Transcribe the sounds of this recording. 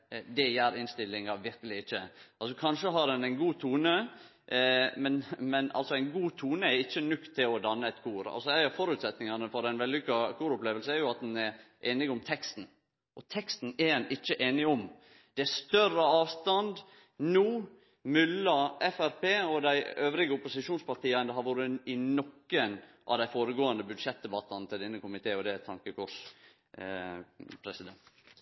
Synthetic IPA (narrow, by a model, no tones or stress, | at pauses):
d̪ɛjæːɾɪnst̪ɪlːɪŋɑʋɪɾkəlɪɪçːə̰ʔɑlsɔkʰɑnʂəɦɑd̪ɛnæɪnɡuːt̪ʰuːnə | mɛnmɛnɑ̰lsɔæɪnɡuːt̪ʰuːnəɛɾɪçːənʉkt̪ʰːɪlɔd̪ɑnːəɛt̪kʰuːɾɑ̰lsɔæɪɑfɔɾʉːt̪sɛt̪nɪŋɑnəfɔɾd̪ɛɪnʋɛlːɪkːɑkʰuːɾʊpleːʋəlsəɛɾjʊɑt̪̚d̪ɛnɛɾʔeːnɪɡʊmt̪ʰɛkst̪n̩ | ʔɔt̪ʰɛkst̪n̩ɛɾd̪ɛnɪt͡ʃːəʔeːnɪɔm | d̪̥ɛæst̪œrəɑːʋst̪ɑnd̪ | nuː | mʏlːɑɛfæɾpʰeːɔd̪æɪøːʋɾɪɡəʊpʊsɪʂuːnspɑɾt̪iːɑnd̪ɛɦhɑɾʋʊːɾənɪnɔkːən | ʔɑ̰ʋd̪æɪfoːɾəɡoːɑnd̪əbʉd̪ʂɛt̪̚d̪ɛbɑt̪ːɑnt̪ʰɪldɛnːəkʰʊmɪt̪ʰeːɔd̪ɛt̪ʰɑŋkəkʰʊʂ | pʰɾɛsɪd̪ɛnt̪